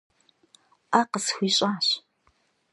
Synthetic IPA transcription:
ʔaːqəsxʷiːɕʼaːɕ

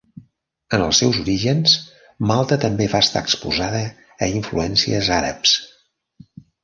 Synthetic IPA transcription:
ənəlˠsːɛwzuɾiʒəns | malˠt̪ət̪əmbevaəst̪a̰əkspuzaðəː | iɱfluɛnsiəzaɾə̰ps

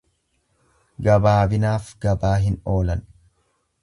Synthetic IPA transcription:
ɡɐbaːbɪnaːfɡɐbaːɦɪnoːlɐn

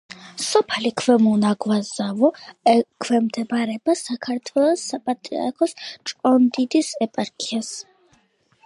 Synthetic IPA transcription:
sɔpʰlikʰvɛmɔnaɡwazavɔkʰwɛmd̪ɛbɾɛbasakʰaɾt̪ʰwɛlˠɔsːapʼat̪ʼɾḭa̰ɾkʰɔst͡ʃʼɔnd̪id̪isɛpʼaɾkʰias

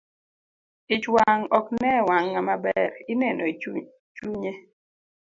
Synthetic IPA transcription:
ɪt͡ʃwaŋɔknɛwaŋːamabɛɾɪneno | t͡ʃuɲe

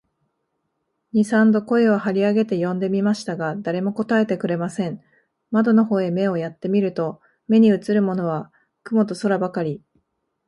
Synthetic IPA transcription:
ɲ̟isãnd̪o̞ko̞e̞βahaɾʲiaɡe̞t̪e̞jõ̞nd̪e̞mʲimaɕi̥t̪aɡad̪aɾe̞mo̞ko̞t̪ae̞t̪e̞k̟ɾe̞masẽ̞ɴ | mad̪o̞no̞ho̞ːe̞me̞o̞jat̪ːe̞mʲiɾɯ̟t̪o̞ | me̞ɲ̟iɯ̟t͡sɨɾɯ̟mo̞no̞β̞a | kɯ̟mo̞t̪o̞so̞ɾabakaɾʲi

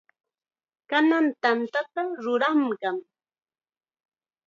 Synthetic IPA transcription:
kanant̪ant̪at̪aɾʊɾamɢɑŋ

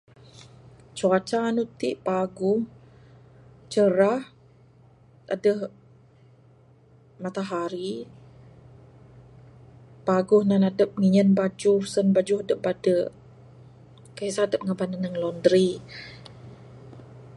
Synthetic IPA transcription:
t͡ʃuat͡ʃaːnut̪iʔpaɡʊh | t͡ʃəɾah | adəh | mat̪aɦaɾi | paɡʊhnanadəp̚ŋiɲənbad͡ʒʊhsənbad͡ʒʊhadəp̚badəʔ | kaisaadəp̚ŋabananəŋlɔndɾi

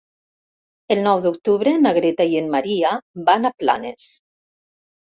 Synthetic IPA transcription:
elˠnɔwðuk̚t̪uβɾenaɣɾet̪ajienmaɾiabanapla̰nes

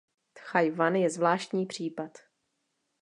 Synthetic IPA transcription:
t̪xajvanjɛzvlaːʃt̪ɲiːpr̝̥iːpat̪

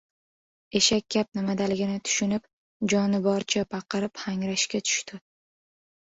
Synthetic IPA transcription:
e̞ʃakʲʰːap̚nɪmad̪alɪɡʲɪnɪt̪ʰʊ̥ʃɪnɪp̚ | d͡ʒɒnɪbɒɾt͡ʃʰabɑqɨɾɪphaŋɾaʃkʲat̪ʰʊ̥ʃt̪ɪ

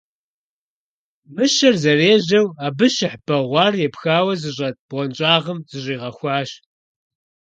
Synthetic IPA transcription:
mɨʃɐrzɐreːʑɐwaːbɨʃɪħb̥ɐʁʷɑːrjɛpxaːwɐzɨɕʷʼɐt̚b̥ʁʷɔnt͡ʃʼaːʁɐmzɨɕʷʼiːʁɐxʷɑːɕ

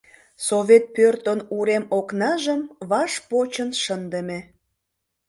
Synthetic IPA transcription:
soβet̪̚pørt̪onuɾemoknɑʒəmβɑʃpot͡ɕənʃənd̪əme

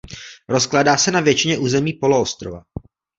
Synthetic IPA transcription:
ɾo̞sklaːdaːsɛnavjɛt͡ʃɪɲɛʔuːzɛmiːpo̞loost̪ɾova̰

